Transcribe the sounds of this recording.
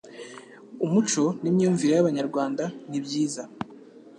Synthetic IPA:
umut͡ʃo̞nimɲuːɱviɾejaβaɲaɾɡwaːndanibɟiːza

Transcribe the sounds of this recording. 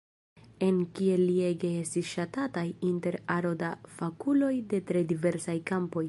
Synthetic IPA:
e̞nkie̞lie̞ɡe̞estisʃatatajinte̞ɾaɾo̞dafakulo̞jde̞tɾe̞dive̞ɾsajkampo̞j

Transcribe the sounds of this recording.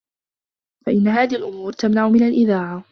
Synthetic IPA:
faʔɪnːaɦaːðɪhɪlʔʊmuːɾt̪amnaʕʊmɪnalʔɪðaːʕa

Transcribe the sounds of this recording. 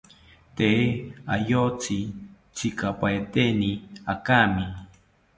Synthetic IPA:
t̪eajot͡sɪ | t͡sɪkapaet̪eniakamɪ

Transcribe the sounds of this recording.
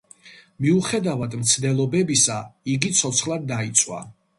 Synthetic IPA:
miuχɛd̪avad̪mt̪sʰd̪ɛlˠɔbɛbisaiɡit̪sʰɔt̪sʰχlˠad̪ːait̪sʼwa̰

